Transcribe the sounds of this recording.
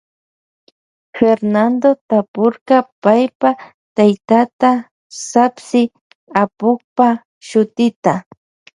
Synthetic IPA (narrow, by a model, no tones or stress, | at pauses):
feɾnand̪ot̪apʊɾkapajpa | t̪ajt̪at̪a | sapsɪ | apʊkpa | ʃʊt̪ɪt̪a